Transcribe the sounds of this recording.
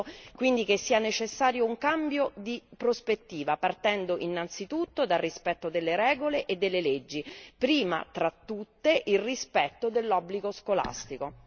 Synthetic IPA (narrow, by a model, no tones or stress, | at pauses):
kwind̪ikesːiːanet͡ʃesːaːɾjouŋkambjod̪ipɾospet̪ːiːvapart̪ɛnd̪oʔinːant̪sit̪ut̪ːod̪alrːispɛt̪ːod̪elːeɾɛːɡoleʔed̪ːelːeled͡ʒːipɾiːma̰t̪ɾat̪ːut̪ːeʔilrispɛt̪ːod̪elːɔbːliɡoskola̰st̪iko